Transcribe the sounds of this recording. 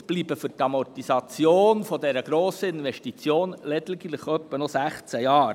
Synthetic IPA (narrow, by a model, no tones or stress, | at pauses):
b̥liːb̥əfʏɾt̪ɑmɔrtisɑt͡sjoːnfɔdɛɾəɡ̥ɾoːsəɪnʋɛʃtit͡sjoːnlɛd̪lɡiləχœpːənɔsæχt͡sæjɑːɾ